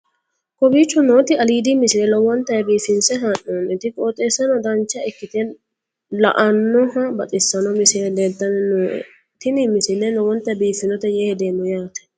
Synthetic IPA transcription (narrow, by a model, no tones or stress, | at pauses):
kɔbiːt͡ʃːɔnoːt̪ɪɐliːd̪imɪsɪnɛlɔwɔnt̪ːɐjbiːfɪnsɛɦɐnːoːnɪt̪ɪkʼoːt̪ʼeːsɐnɔd̪ɐnt͡ʃːɐɛkːɪt̪en | lɐ̰ʔɐnːɔhɐbɐt̪ʼɪsːɐnɔmɪsɪd̪et̪ːɐnɛno̰ | t̪ɪnimɪsɪnːɛlɔwɔnt̪ɐjbiːfɪnɔt̪ɛjɛhɛd̪eːnɔjaːt̪ɛ̥